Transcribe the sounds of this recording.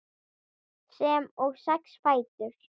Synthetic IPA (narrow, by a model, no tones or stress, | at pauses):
sɛmɔɣsɛksfaːjt̪ʏɾ̥